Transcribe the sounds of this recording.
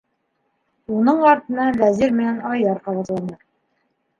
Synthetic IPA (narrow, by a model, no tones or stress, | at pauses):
unɤɴɑɾt̪ɤ̆nɑvæziɾmɘ̆nænɑjðɑɾqɑβɑt̪lˠɑnd̪ɤ